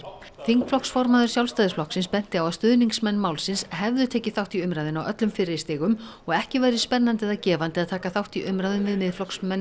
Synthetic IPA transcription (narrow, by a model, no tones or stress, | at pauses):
θiŋkflɔksfɔɾmaðʏɾ̥sjawlst̪ajðɪ̥sflɔhksɪnspɛn̥t̪ɪawaðst̪ʏðniŋksmɛnːmaːwlsɪnshɛvðʏt̪ʰɛːcɪθawht̪iʏmɾajðɪnawʔœ̰t̪lʏmfɪɾɪɾɪst̪ɪːɣʏmɔɣɛhcɪvaːjɾɪspɛnːant̪ɛðacɛːvant̪ɪaðt̪ʰaːkaθawht̪iʔʏmɾajðʏmvɪðmɪðflɔksmɛnː